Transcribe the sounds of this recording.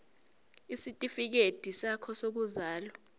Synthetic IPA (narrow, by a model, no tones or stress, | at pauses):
isitʼifik̬ed̥ʱisakʰɔsok̬uzaːlɔ